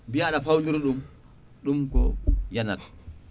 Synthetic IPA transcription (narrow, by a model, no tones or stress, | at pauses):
bijaɗapawnduɾɗum | ɗumkɔ̰janat